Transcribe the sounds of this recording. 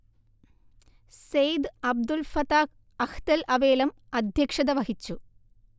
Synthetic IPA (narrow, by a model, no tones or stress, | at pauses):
sejd̪ɨɐb̚d̪ulfɐt̪aː | ɐkt̪ɐlɐʋeːlɐm | ɐd̪ʱjɐkʂɐðɐʋɐɦit͡ɕːu